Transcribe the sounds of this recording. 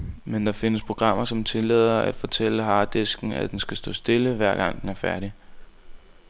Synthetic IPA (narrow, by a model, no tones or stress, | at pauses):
mend̥ɑ̈fe̝nəspʰʁo̝ɡ̥ʁɑ̈m̰ɐsɒ̽mt͡sʰe̝lḛːð̞̰ˠɐʔæd̥fɒ̽t͡sʰel̰əɦɑ̈ːd̥e̝sɡ̥n̩æ̰d̥ensɡ̥æsd̥ɔ̰̽ːsd̥e̝ləʋæɐ̰ɡ̥ɑ̈ŋ̰d̥enæɐfæɐɾ̥i